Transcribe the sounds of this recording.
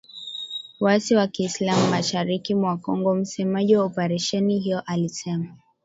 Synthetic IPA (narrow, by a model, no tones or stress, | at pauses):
wasiwakiːslamuːaʃaɾikimwakɔŋɡɔm̩sɛmaʄiwaɔpaɾɛʃɛnihijɔʔalisɛma